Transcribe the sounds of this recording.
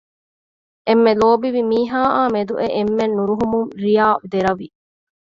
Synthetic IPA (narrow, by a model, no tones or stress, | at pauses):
ʔemːeloːbiʋimiːɦaːʔaːmed̪uʔeʔemːenːuɾuɦumuŋɾijaːd̪eɾɐʋi